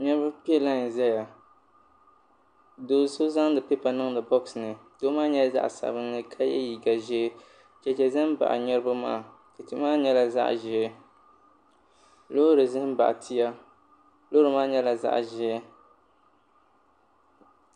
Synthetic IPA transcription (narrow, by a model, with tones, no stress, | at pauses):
ɲɛ˦ɾba˦pi˦ɛ˦la˦n̩˨zɛ˦ja˨ | doː˨˦so˦za˦ŋ˦dɨ˨pɛ˦pa˨nɨ˦ŋdɨ˨bɔ˦ksnɨ˨doː˦maː˦ɲɛ˦za̰˦ʔsa̰˨bɨ˦nːɨ˦kʰa˦jɛ̰˦ji˨ɡa˨ʒɛ˦ | t͡ʃɛ˨t͡ʃɛ˨zɨ˦m˦ba̰˨ʔɲɛ˦ɾɨ˦ba˦ma̰ː˦˨ | ka˨ti˦maː˦ɲɛ˦la˨za̰˦ʔʒɪ˦ | lo˦ɾɨ˨zɨ˦m̩˦ba̰˨ʔtʰi˦ja˦ | lo˦ɾɨ˨maː˦ɲɛ˦la˨za̰˦ʔʒɛ˨˦